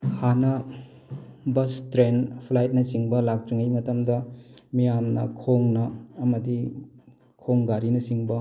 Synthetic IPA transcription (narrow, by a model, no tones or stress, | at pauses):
hanɐ | bɐstɾenpʰlajt̚nɐsiŋbɐlak̚t͡ʃuŋɐjmɐtɐmdɐmijamnɐ̰kʰoŋnɐːmɐdi | kʰoŋɡaɾinɐsiŋbɐ